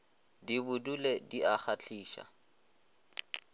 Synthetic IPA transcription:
dibʊdulediʔaχat͡ɬʰiːʃa̰

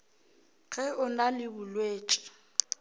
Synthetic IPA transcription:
ɣɛʊnalɪbʊlweːt͡ʃʼɪ̥

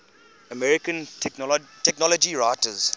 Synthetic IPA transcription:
əmɛɹɪkə̃n | tʰɛknɔlɔd͡ʒiɹaɪtəz̥

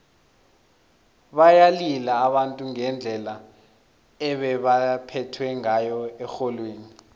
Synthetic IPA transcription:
ɓajalilaːɓantʼuŋɛnd͡ɮʱɛla | ɛɓɛɓapʰɛtʰwɛŋajɔɛxɔlweːni

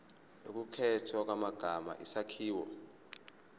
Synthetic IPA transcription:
nok̬ukʰɛtʰɔk̬wamaɡ̥ʱama̰ʔisakʰiːwɔ

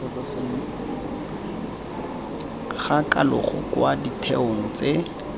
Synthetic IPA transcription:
χakalʊχɔ̰kwaditʰɛoŋ̩t͡se

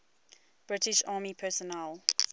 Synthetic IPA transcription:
b̥ɹɪtɪʃɑːmipʰɛsɔnɛl

